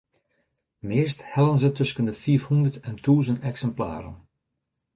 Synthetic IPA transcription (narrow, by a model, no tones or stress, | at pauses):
mɪərsthɛlənzətɵskəndəfiəfhundərtɛntuːzəntɛksɛmpla̰ːɾə̰n